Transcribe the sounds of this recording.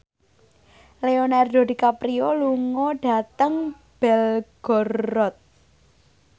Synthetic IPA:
leonɛrdo̤dikapɾioluŋɔɖ̥ä̤t̪əŋ | b̥ɛlɡ̥ɔ̤rɔt̪̚

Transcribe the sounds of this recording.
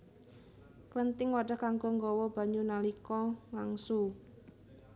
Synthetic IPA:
klənt̪ɪŋwaɖ̥a̤hkaŋɡɔŋɡɔwɔb̥a̤ɲunalikɔŋaŋsu

